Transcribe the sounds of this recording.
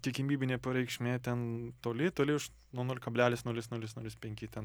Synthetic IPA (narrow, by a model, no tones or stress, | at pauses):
t̪ʲiɛkʲɪmʲiːbʲɪnʲeːpɐɾʲɛɪkʃʲmʲeːt̪ʲɛnt̪oːlʲɪt̪oːlʲɪʊʃ | nuɔnuɔlʲɪkɐbʲlʲæːlʲɪsnuɔlʲɪsnuɔlʲɪsnuɔlʲɪspʲɛŋʲkʲɪt̪ʲɛn